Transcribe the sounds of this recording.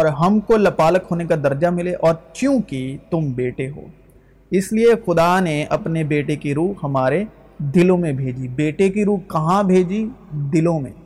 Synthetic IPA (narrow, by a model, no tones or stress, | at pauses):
ɔːɾɦɐmkolɐpaːləkɦoːnekad̪ɐɾd͡ʒamɪleʔɔːɾt͡ʃjũːkit̪ʊmbeːʈeɦo̰ː | ɪsliexʊd̪aneɐpnebeːʈekiɾuːhɐmaːɾe | d̪ɪlõmẽbʱeːd͡ʒibeːʈekiɾuːkɐɦãbʱeːd͡ʒid̪ɪlõmḛ̃